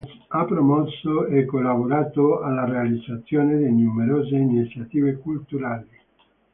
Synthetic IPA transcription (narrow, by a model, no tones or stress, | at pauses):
s | apːɾomɔsːoekːolːaboɾaːt̪oalːarealid̪zːat̪sːjoːned̪ejnumeɾoːzeinit̪sjat̪iːvekult̪uɾaːli